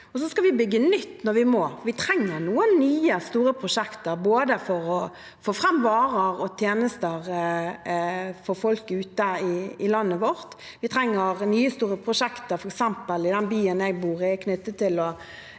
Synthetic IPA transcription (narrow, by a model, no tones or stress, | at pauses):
ɔsɔskɑʋɪbʏɡːənʏt̪ːnɔɾʋɪmoːfʋɪt̪ʰɾɛŋːəɾnuːənnyːəst̪uːɾəpʰɾʊʂɛkt̪əɾboːd̪əfɔɾɔ | foːfʁɑmʋɑːʁəʁɔt̪ʰjeːnəst̪əʁ | fɔɾfɔlkʉːt̪əɪɪlɑnːəʋɔɾt̪ | ʋɪt̪ʰɾɛŋːəʁnyːəst̪uːɾəpʰʁʊʂɛkt̪əɾfɔɾɛksɛmpəlɪd̪ɛnbyːənjɛɡbuːʁɪkʰnʏt̪ːət̪ʰːɪlɔ